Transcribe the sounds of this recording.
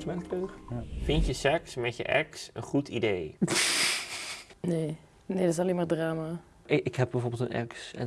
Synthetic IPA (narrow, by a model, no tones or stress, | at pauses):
smɛnkløχfɪntjəsɛksmɛtjə̰ʔɛksənχutʰidej | neː | nedɑs̬ɑlemaːɹdraːma | ɪkɦɛb̚bɛjvoːɹbɪlˠtənʔɛ̰ksɛ̰n